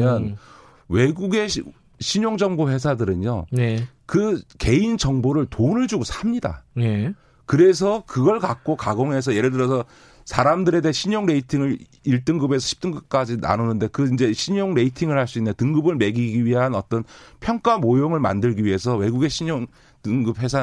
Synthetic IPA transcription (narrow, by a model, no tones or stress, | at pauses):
jʌn | we̞ɡuɡe̞ | ɕʰiɲoŋd͡ʑʌŋboɸwe̞s̬ʰadɯɾɯɲo̰ne | kɯke̞ind͡ʑʌŋboɾɯɭtonɯɭd͡ʑuɡosʰamɲida̰ne | kɯɾe̞s̬ʰʌkɯɡʌɭkak̚k͈okaɡoŋɦe̞s̬ʰʌje̞ɾɯdɯɾjʌs̬ʰʌ | sʰaɾamdɯɾe̞deɦeɕʰiɲoŋɾe̞itʰiŋɯɾ | iɭt͈ɯŋɡɯbe̞s̬ʰʌɕʰi̥p̚t͈ɯŋɡɯp̚k͈ad͡ʑina̰nonɯnde̞kɯind͡ʑe̞ɕʰiɲoŋɾe̞itʰiŋɯɭhaɭs͈uinːɯntɯŋɡɯbɯɭme̞ɡiɡiɥiɦanʌt͈ʌnpʰjʌŋk͈amojoŋɯɭma̰ndɯɭɡiɥiɦe̞sʰʌwe̞ɡuɡe̞ɕʰiɲoŋ | tɯŋɡɯp̚we̞sʰa